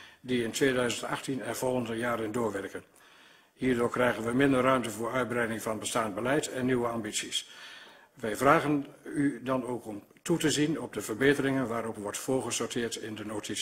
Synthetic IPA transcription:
diɪntʋeːdœɥzəntɑχtinɛnv̥ɔlˠχəndəjaːɾəndʊːɹʋɛɹkən | hiːɹdʊːɹkrɛjχənʋəmɪndərːœɥmtəvʊːɹœɥd̚brɛjdɪŋvɑnbəstaːnbəlɛjtʰɛnːiʋəɑmbitsis | ʋɛjvraːɣənydɑnowkɔm | tutəzinɔb̚dəvəɹbejtərɪŋənʋaːɾɔpʋɔɹtfʊːɹχəsɔːɹtɪːɹtɪndənotʰis

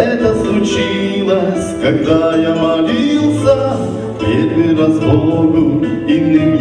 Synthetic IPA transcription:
ɛt̪əslˠʊt͡ɕilˠɐsʲkɐɡ̚d̪ajamɐlʲilˠsʲɐ | pʲed̪ʲʋɨɾɐzb̪ooɡʊ | imnʲɪ

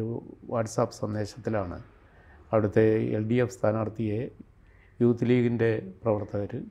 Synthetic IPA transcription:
uʋaːʈsaːpːɨ̥sɐnd̪e̞ːɕɐt̪ːilaːɳɨ̰ | ɐʋiɽɐt̪ːe̞ḛlɖiefst̪ʰaːnaːɽt̪ːijɐ | juːt̪ːliːɡinde̞prɐʋɐrt̪ːɐɣɐɾɨ

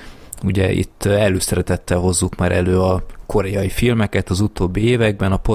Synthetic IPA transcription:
uɟɛʔḭt̪ːɛløːsɛɾɛt̪ɛt̪ːɛlɦo̞zːukmaːɾʔɛløːɒko̞ɾɛjɒjifilmɛkɛt̪ɒzut̪oːbːieːvɛɡ̚bɛnɒpo

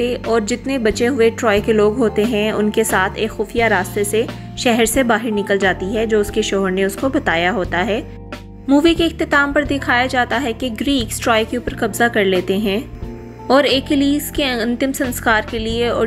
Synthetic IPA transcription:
eʔɔːɾd͡ʒɪt̪nebɐt͡ʃeɦʊeʈɾɔːekeloːɡɦoːt̪eɦɛ̃ʊ̰nkesaːt̪ʰeːkxʊːfijaɾaːst̪ese | ʃɛɦɛɾsebaːɦɪɾnɪkəld͡ʒaːt̪iɦɛd͡ʒoːʊskeʃɔɦəɾneʊskobɐt̪aːjaɦoːt̪aɦɛː | muːʋikeɪxt̪ɪt̪aːmpɐɾd̪ɪkʰaːjad͡ʒaːt̪aɦɛkeɡɾiːksʈɾɔːjkeuːpəɾkɐbzakɐɾleːt̪eɦɛ̃ː | ɔːɾeːkɪliːskeɐ̃nt̪ɪmsɐ̃nskaːɾkelieɔ̰ː

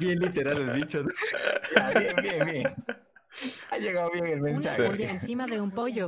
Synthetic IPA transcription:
bjenlit̪e̞ɾalelðit͡ʃon | aβjenbjenbjeŋ | aʝeɣaðoβjeŋelmẽnsaxeensimaðe̞umpo̞ʝo

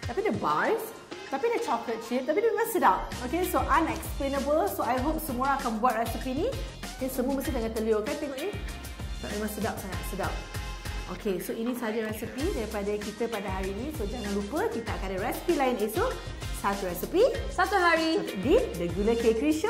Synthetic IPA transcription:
t̪apidəbaɹs | t̪apidət͡ʃɔklət̪̚t͡ʃit̚t̪apimẽmãŋsədap̚okesoʔãnɛksplenəbəlsoajɦop̚səmuɾaːkanbuat̚ɹɛsipinĩ | dɛnsəmuəməsindəŋãt̪əliokant̪ɛŋoknĩ | ta̰ʔmẽmãŋsədap̚saŋat̚sədap̚ʔo̰kʰesoinĩsəɦad͡ʒaɹɛsipidɛɾipadakit̪əpadaɦaɾinĩsod͡ʒaŋãnlupəkit̪aakandəɹɛsi̥pilainesu | sat̪uɹɛsipisat̪uɦaɹididəɡjuləkekɾiʃ

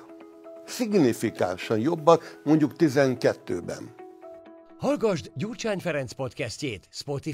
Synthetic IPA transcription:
siɡnifika̰ːlʃɒnjobːɒt̪mo̞ɲɟukt̪izɛŋkɛt̪ːø̰ːbɛ̰n | hɒlɡɒʒd̪ɟuːrt͡ʃaːɲfɛɾɛnt̪spo̞t̪kɛsceːt̪spo̞t̪i

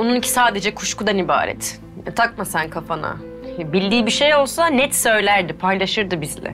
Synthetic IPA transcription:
onunicʰi̥saːd̪e̞d͡ʒɛkʰu̥ʃkud̪aniba̰ːɾɛ̰t̪ | t̪ʰak̚masænkʰafana̰ | bilʲd̪iːbiʃe̞jo̞lˠsanɛt̪sø̞jlʲæɾd̪ipʰajlˠaʃɯɾd̪ɯbizlʲɛ̰

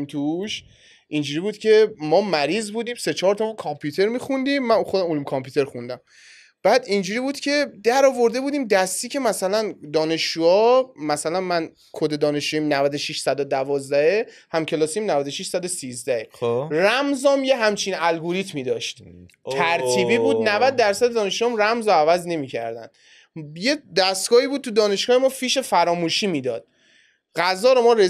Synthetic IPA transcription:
mt̪ʰuʃ | ʔind͡ʒuːɾibuːd̪̥cʲʰe̞mɒːmæɾiːzbuːd̪iːmset͡ʃʰɒːɾt̪ʰɒkʰɒmpʰjuːt̪ʰe̞ɾmiːxund̪imːænxod̪æmolumkʰɒmpʰuːt̪ʰe̞ɾxund̪æm | b̥æːd̪ind͡ʒuːɾiːbuːd̪̥cʰe̞d̪æɾɒːvo̞ɾd̪e̞buːd̪iːmd̪æst̪iːcʰʲe̞mæsælænd̪ɒːne̞ʃːuɒmæsælænmæn | kʰod̪e̞d̪ɒːne̞ʃuimnævæd̪oʃiʃsæd̪od̪ævɒːzd̪æhehæmcʰe̞lɒːsimnævæd̪oʃiʃsæd̪osiːzd̪æheræmzɒːmjeɦæmt͡ʃʰinælɡoɾit̪ʰmiːd̪ɒːʃt̪ʰ | æɾt̪ʰiːbiːbuːd̪̚nævæd̪̚ːæɾsæd̪ed̪ɒːne̞ʃuɑmræmzoævæzne̞miːcʰæ̰ɾd̪æ̰nd̪̥ | jed̪æst̪ɡ̥ɒːhiːbud̪̚t̪ʰud̪ɒːne̞ʃɡ̥ɒːhemɒːfiːʃe̞fæɾɒːmuːʃiːmiːd̪ɒːd̪̥̚ | ɢæzɒːɾomɒːɾe

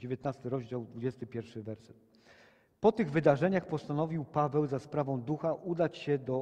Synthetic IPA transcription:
d͡ʑevʲjet̪nast̪ɘɾɔʑd͡ʑawd̪vud͡ʑɛst̪ɘpʲjɛɾfʂɘvɛɾsɛt̪̚ | pɔt̪ɘɣvɘd̪aʐɛɲaxpɔst̪anɔvʲiwpavɛwzaspɾavɔ̃w̃d̪uxaʔud̪at͡ɕɕɛd̪ɔ

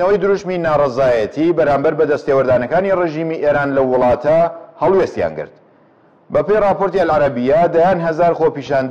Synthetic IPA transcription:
nɐwɐjd̪ɨɾuʃminaːrˤɐzaːjɐt̪ʰibɐɾaːmbɐɾbɐd̪ɐst̪ewɐɾd̪aːnɐkaːnireʒiːmiʔeɾaːnlɐwʊlˠɑːt̪ɐhɑlˠweːst̪ja̰nɡɨ̰ɾt̪ | bɐpejrɑːpoɾt̪iɐlʕaɾɐbijad̪ajaːnɦɐzaːɾxopiːʃaːnd̪

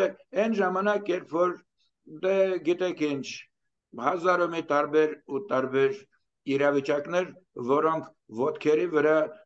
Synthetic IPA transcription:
ɛɛnʒɑmɑnɑkjɛɾpʰfɔɾ | d̪ɛɡit̪ɛkʰint͡ʃʰ | hɑzɑɾumit̪ɑɾbɛɾut̪ɑɾbɛɾ | iɾɑvit͡ʃɑknɛɾ | vɔɾɔŋkʰ | vɔt̪kʰɛɾivəɾɑ

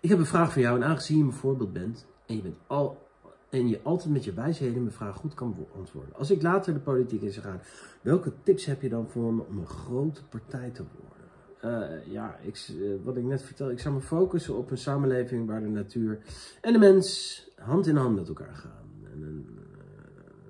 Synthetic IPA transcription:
ɪkɦɛpənvraːχfɑnjawɛnaːŋχəzijəməvʊːɹbɪːlˠt̚bɛnt | ɛnjəbɛnt | ɛnjəʔɑlˠtɛjtmɛtəʋɛjsɦejdənməfraːχχutkɑnʔɑ̰ntʋʊ̰ːɹdə̰nʔɑ̰lˠs̬ɪklaːtəɹdəpolitikɪnsəχaːnʋɛlˠkətɪpsɦɛpjədɑnvʊənɔ̰mənχrowtə̥paɹtɛjtəʋɔ̰ɹdə̰n | ja̰ɪ̰kʋɑtɪknɛtfəɹtɛlˠɪksɑwməfowkəsənɔpənsaːmənlejvɪŋʋaːɹdənatyːɹɛndəmɛnsɦɑntɪnəɦɑntmɛtɛlˠka̰ːɹχa̰ːnɛ̰nən

